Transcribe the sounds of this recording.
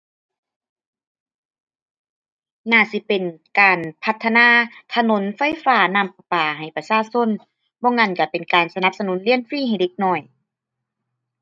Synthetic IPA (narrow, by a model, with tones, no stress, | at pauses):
naː˧˩si˧˦pe˨nkaː˨npʰa˧˥t̪ʰːa˧naː˧˥˨t̪ʰa˧no˧˦nfa˧˥˨jfaː˧˦naː˧˥˨mpa˧paː˨˩ɦa˨˩jpa˧saː˧˥˨so˧˥˨n | bɔː˧˨ŋa˧˥˨nka˧˩pe˨nkaː˨˩nsa˧na˧˦p̚sa˧nuː˨˦nli˧˥ənfiː˧˥˨ha˨˩jde˧˦k̚nɔː˧˩j